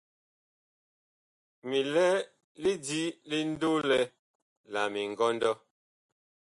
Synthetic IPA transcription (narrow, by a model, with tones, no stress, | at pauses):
mi˨lɛ˦ | li˦di˦li˦n̩˦do˦lɛ˦ | la˨mi˨ŋ̩˨ɡɔ˦n˦dɔ˦